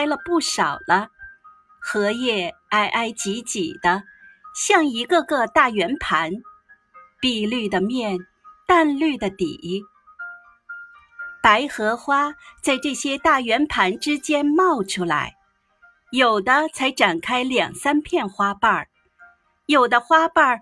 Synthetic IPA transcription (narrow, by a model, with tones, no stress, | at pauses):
ɪlə˧pu˥˩ʂɑ˨˩ʊlə˦ | xɤ˧˥jɛ˥˩ | a˥ɪʔa˥˩ɪt͡ɕi˧˥t͡ɕi˨˩d̪̥ə˦ɕjɑ˥˩ŋi˧˥ɡə˥˧ɡə˥˧t̪a˥˩ɥɛ˧˥npʰa˧˥n | pi˥˧ly˥˩d̪ə˩mjɛ˥˩n | t̪a˥˧nly˥˩d̪ə˩t̪ḭ˨˩ | pa˧˥ɪxɤ˧˥xwa˥t͡sa˥˧ɪʈ͡ʂɤ˥˩ɕjɛ˥t̪a˥˩ɥɛ˧˥npʰa˧˥nʈ͡ʂɻ̩˥t͡ɕjɛ˥nmɑ˥˩ʊʈ͡ʂʰu˥la̰˧˥ɪ | jo˨˩ʊd̪ə˦t͡sʰa˧˥ɪʈ͡ʂa˨˩nkʰa˥ɪljɑ˨˩ŋsa˥npʰjɛ˥˩nxwa˥pa˥˩ | jo˨˩ʊd̪ə˦xwa˥pa˥˩